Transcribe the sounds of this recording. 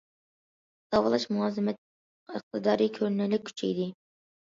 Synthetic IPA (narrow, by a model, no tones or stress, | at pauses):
sɑwɑlˠɑʃmunɑːzɨmɛt̪ | qəχ̚t̪ʰɨd̪ɑːɾikʲʰøɾnɪlɪk̚ʲʰy̥t͡ʃʰɛ̰jd̪ɪ